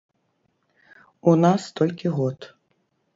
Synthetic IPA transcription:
unast̪ɔlʲkʲiɣɔt̪

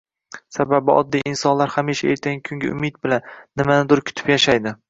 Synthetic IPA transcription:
sababɪɒ̰d̪ːijʔɪnsɒnlaɾhamiʃaḛɾt̪ʰaŋkʲʰʊŋɡʲaʔʊ̰med̪̚bɪlanːɪmanɪd̪ʊɾkʲʰʊ̥t̪ʰɪ̥pjaʃajd̪ɪ

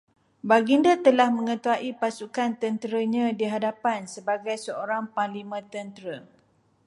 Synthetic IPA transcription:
baɡindat̪əlahmə̃ŋə̃t̪uaʔipasukant̪ənt̪ɾəɲãdiɦadapansəbaɡajsəoɾaŋpalimə̃t̪ənt̪əɾə

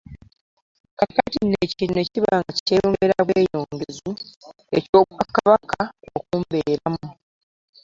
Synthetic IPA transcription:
kakatinecine̞ciβaːŋɡaci̥teːjoːŋɡeɾaβweːjo̞ːŋɡe̞zu | e̞co̞ːβwakːaβakʰao̰kuːmbeːɾamu

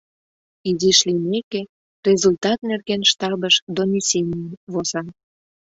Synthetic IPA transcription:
iziʃlineke | rʲezult̪ɑt̪nerɣenʃt̪ɑbəʃd̪onʲisʲenʲiənβozɑ

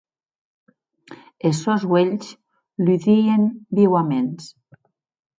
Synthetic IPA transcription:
esozweʎs | lyðienbiwamens

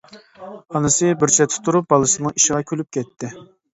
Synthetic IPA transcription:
ɑnɨsɨbɪɾt͡ʃʰɛt̪ʰɪ̥t̪ʰːuɾup̚bɑlˠɨsɨnɨŋiʃɪʁɑkʲʰølyp̚kʲɛt̪ʰːɪ

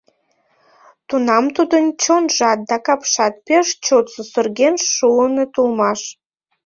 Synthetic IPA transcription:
t̪unɑmt̪ud̪ənt͡ɕonʒɑt̪̚d̪ɑkɑpʃɑt̪̚peʃt͡ɕot̪səsørɡʲenʃuənət̪ulmɑʃ

